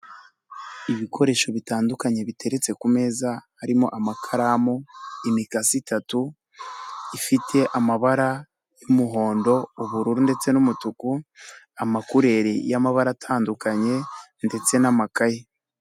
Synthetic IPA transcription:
iβikʰo̞ɾe̞ːʃo̞βitaːndukaɲe̞βitʰe̞ɾe̞t͡se̞kume̞ːzahaɾimo̞̰ʔamakʰaɾamoimikasitʰatu | ifitʰe̞ʔamaβaɾa | jumuɦo̞ːndo̞uβuɾuɾunde̞t͡se̞numutuku | amakuɾe̞ɾijamaβaɾatʰaːndukaɲe̞nde̞t͡se̞namakaje

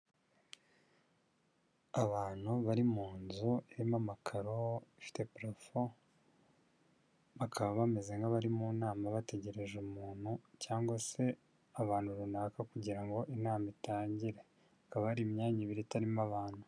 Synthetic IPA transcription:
aβaːn̥huβaɾimuːnzueɾimamakʰaɾo̞ifi̥te̞pɾofo | βakʰaβoβame̞ze̞ŋɡaβaɾimunaːmaβate̞ɟe̞ɾe̞ʒumuːn̥hucaːŋɡwase̞ | aβaːnhuɾunaːkakuɟiɾaŋɡo̞ʔinaːmitaːɲɟiɾe̞ | akaβaaɾimɲaːɲiβiɾitaɾimaβaːn̥hu

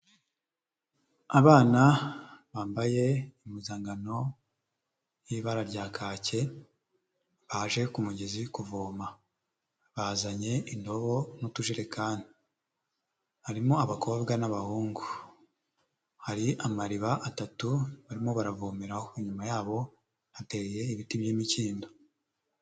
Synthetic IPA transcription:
aβaːnaβaːmbaje̞imizaːŋɡano̞ | jiβaɾaɾɟaːkʰaːce̞ | βaʒe̞kumuɟezikuvoːma | βazaɲe̞indo̞βo̞nutuʒiɾe̞kʰaːni | haɾimo̞aβakʰo̞ːbɡanaβahuːŋɡu | haɾiʔamaɾiβaʔatatuβaɾimo̞βaɾavoːmeɾahoiɲumajaːβo̞ | hate̞je̞iβitibjiːmiciːndo̞

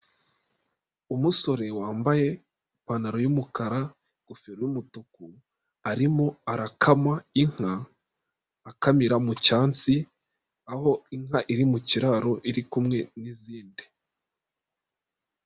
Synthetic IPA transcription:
umuso̞ɾe̞waːmbaje̞ | ipanaɾojumukaɾa | ɡ̥ufeɾojumutoku | aɾimo̞aɾakʰamaiŋ̥haː | kamiɾamucaːnt͡si | aho̞iŋ̥haʔiɾimuciɾaɾo̞ʔiɾikumŋe̞niziːndi

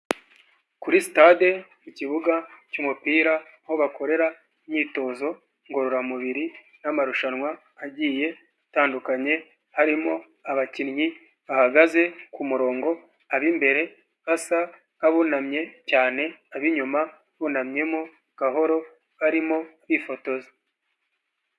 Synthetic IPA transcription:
kuɾisitade̞muciβuɡacuːmupiːɾaho̞βako̞ɾe̞ɾa | mɲiːto̞ːzo̞ | ŋɡo̞ɾo̞ɾamuβiɾi | namaɾuʃanwaː | ɟiːje̞ | taːndukaɲe̞ | haɾimo̞ | aβacinɲi | βahaɡaze̞kumuɾo̞ːŋɡo̞ | aβimbe̞ɾe̞ | βasa | kaβunamɲe̞caːne̞aβiɲuma | βunamɲe̞mo | kaɦo̞ɾo̞ | βaɾimoβifo̞to̞zo

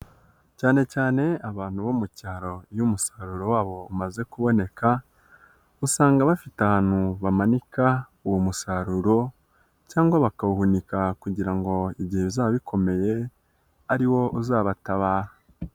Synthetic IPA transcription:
caːne̞caːne̞aβaːn̥huβomucaːɾo̞ijumusaɾuɾo̞waːβo̞umaze̞kuβo̞ne̞kʰa | usaːŋɡaβafitahaːn̥huβamanika | uwomusaɾuɾo̞ | caːŋɡwaβakauhunikakuɟiɾaŋɡo̞iβɟiheβizaːβikʰo̞me̞je̞ | aɾiwo̞ʔuzaːβataβaːha

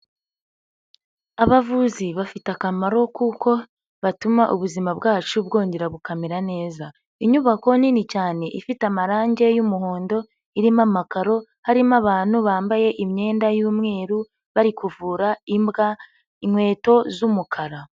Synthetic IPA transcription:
aβavuziβafitakamaɾo̞kuko̞ | βatumaʔuβuzimabɡaːt͡ʃubɡo̞ːɲɟe̞ɾaβukameɾane̞ːza | iɲuβako̞ninicaːne̞ʔifitamaɾaːɲɟe̞jumuɦo̞ːndo̞ | iɾimamakaɾo̞ | haɾimaβaːnhuβaːmbaje̞ʔimɲe̞ːndajuːmŋe̞ːɾu | βaɾikuvuːɾaimbɡa | inwe̞ːto̞zumukʰaɾa

